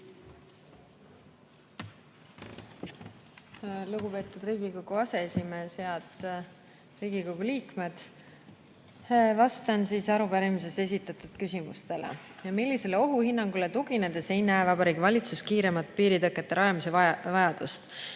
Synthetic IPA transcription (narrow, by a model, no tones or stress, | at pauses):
luɡ̥upe̞ːt̪ˑud̪riːɡ̥iko̞ɡ̥uɑse̞esʲime̞seɑt̪ | riːɡ̥iko̞ɡ̥uliːkme̞d̪̥ | vɑst̪ɑnsiːsɑɾupæɾimis̬e̞se̞s̬ʲit̪ːˑɑt̪ˑud̪̥kysʲimṵst̪e̞lḛjɑmilʲːise̞leo̞ɦuhinːɑŋɡ̥ulet̪uɡine̞d̪̥e̞se̞jnæevɑbɑɾiːɡivɑlʲit̪suskiːɾe̞mɑt̪̚ˑpiːɾit̪ɤkːˑe̞t̪ːeɾɑjɑmise̞vɑvɑjɑd̪̥ust̪